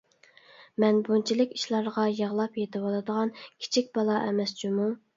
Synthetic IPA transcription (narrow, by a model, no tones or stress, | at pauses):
mɛnbunt͡ʃʰilɪkʲi̥ʃlˠɑɾʁɑjəʁlˠɑpjet̪ʰɪwɑlˠɨd̪əʁɑnkʲʰi̥t͡ʃʰik̚ʲb̥ɑlˠɑʔɛmɛst͡ʃʰimu